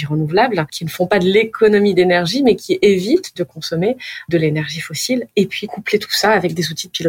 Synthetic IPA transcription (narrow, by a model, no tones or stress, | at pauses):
iʁənuvlablkʲinəfɔ̃pad̪əlekʰɔnɔmid̪enɛʁʒimɛkʲʰiʔevit̪d̪əkɔ̃sɔmed̪əlenɛʁʒifɔsilepɥikuplet̪ʰu̥saːvɛk̚d̪ezut̪id̪əpilɔ